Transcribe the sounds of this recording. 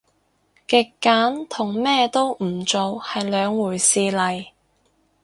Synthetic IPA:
kɪ˨˧kːaː˨˥nt̪ʰʊ˨˩ŋmɛː˥t̪o˥wm̩˨˩t͡ʃo˨whɐ˨jlœː˨˧ŋwuː˨˩jsiː˧lɐ˨˩j

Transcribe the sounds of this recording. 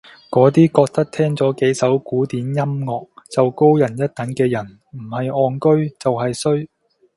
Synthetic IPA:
kɔː˨˥t̪iː˥kɔː˧k̚t̪ɐ˥k̚t̪ʰɛː˥ŋt͡sɔː˨˥ke˨˥jsɐ˨˥wkuː˨˥t̪iː˨˥njɐ˥mŋɔː˨k̚t͡sɐ˨wko˥wjɐ˨˩njɐ˥t̚t̪ɐ˨˥ŋkɛː˧jɐ˨˩n | m̩˨˩hɐ˨jɔː˧ŋkɵ˥ɥt͡sɐ˨wɦɐ˨jsɵ˥ɥ

